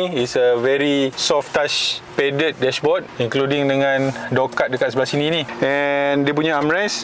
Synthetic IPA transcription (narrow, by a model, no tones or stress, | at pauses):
itsəvɛɾisɔftaʃpɛdət̚dɛʃbɔt̚iŋkludiŋdəŋãndokat̪̚dəkat̪səblasininĩɛndiəp̬uɲaamɹas